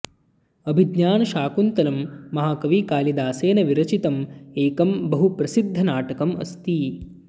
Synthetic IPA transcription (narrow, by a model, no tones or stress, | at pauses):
ɐbʱid̪ɲaːnɐʃaːkunt̪ɐlɐmːɐɦaːkɐʋiːkaːlid̪aːseːnɐʋiɾɐt͡ʃit̪ɐmeːkɐmbɐɦupɾɐsid̪ʱːɐnaːʈɐkɐmɐ̰st̪iː